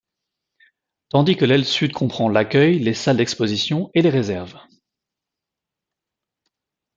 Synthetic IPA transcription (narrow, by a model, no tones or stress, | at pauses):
t̪ɑ̃d̪ikəlɛlsyd̪kʰɔ̃pχɑ̃lakʲœjlesald̪ɛkspozisjɔ̃eleʁezɛʁv